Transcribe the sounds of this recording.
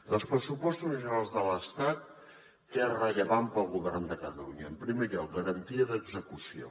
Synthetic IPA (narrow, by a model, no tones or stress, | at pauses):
d̪əlˠspɾəsupɔst̪suniʒunalˠzðələst̪at̪ | ɛrəʎəβampəlˠɣuβɛrnd̪əkət̪əluɲəːmpɾimeʎɔk̚ɡəɾənt̪iəðəɡzəkusio̰